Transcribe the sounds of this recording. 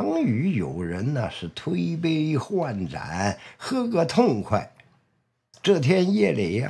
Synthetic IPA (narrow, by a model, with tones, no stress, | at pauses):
ɑ˥ŋy˧˥jo˨˩ʊɻə˧˥nnə̰˨ʂɻ̩˥˩t̪ʰwe˥ɪp̬e˥ɪxwa˥˩nʈ͡ʂa̰˨˩˦nxɤ˥kɤ˧˥t̪ʰʊ˥˧ŋkʰwa˥˩ɪ | ʈ͡ʂɤ˥˩t̪ʰjɛ˥njɛ˥˧le˧˥ɪ̰˧